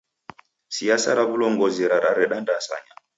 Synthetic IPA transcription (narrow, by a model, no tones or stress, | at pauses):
siasaɾaβulɔŋɡɔzɛɾaɾaɾɛɗandasa̰ɲa